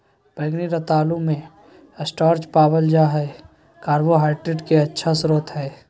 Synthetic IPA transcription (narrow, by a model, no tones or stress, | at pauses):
peːɡniɾət̪aːlũmẽ | əsʈaːɾd͡ʒpaːbəld͡ʒaɦɛ | kaːɾboɦaːɪʈɾeʈkeɐtːʃʰasɾoːt̪ɦɛː